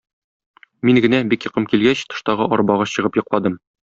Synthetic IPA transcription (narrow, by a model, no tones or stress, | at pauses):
miŋɡɘ̆næbikjɤ̆qɤmkilɡæɕt̪ɤ̥̆ʃt̪ɑʁɤʔɒɾbɑʁɑɕɤ̆ʁɤpjŏqlˠɑd̪ɤm